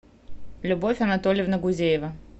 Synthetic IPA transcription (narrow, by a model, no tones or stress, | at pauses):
lʲʊbofʲɐnɐt̪olʲɪjɪvnəɡʊzʲejɪvə